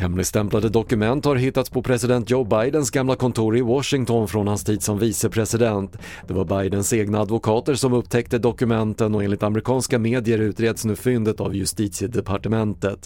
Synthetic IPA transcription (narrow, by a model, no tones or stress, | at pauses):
hɛmlɪɡst̪ɛmplad̪əd̪ɔkɵmɛnt̪haɾɦɪt̪ːat̪spʰɔpʰɾɛsɪd̪ɛnt̪̚d͡ʒoʊbajd̪ənsɡamlakʰɔnt̪ʰuːɾɪwɔʂɪŋt̪ʰɔnfɾɔnhanst̪ʰiːd̪sɔmviːsəpʰɾɛsɪd̪ɛnt̪ | d̪̥ɛvaɾbajd̪ənseːɡnaːd̪vʊkʰɑːt̪əɾʂɔmɵpːt̪ʰɛk̚t̪əd̪ɔkɵmɛnt̪ənɔeːnlɪt̪amɾɪkʰɑːnskameːd̪ɪjəɾʉ̟ːt̪ɾeːd̪snʉ̟ːfʏnd̪ət̪a̰vjɵst̪iːt̪sjəd̪ɛpʰaʈəmɛnt̪ət̪